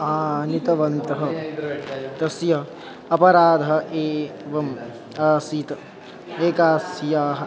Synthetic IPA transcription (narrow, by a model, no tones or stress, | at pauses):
aːnit̪ɐʋɐnt̪ɐɦɐ | d̪ɐsjɐ | ɐpɐɾaːd̪ʱɐɦɐ̆ʔeːʋɐm | aːsit̪ɐ | eːkaːsjaːɦɐ̆